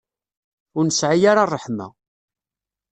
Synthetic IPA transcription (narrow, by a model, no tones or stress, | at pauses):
ʊɾnəsʕajaɾarˤːəħma̰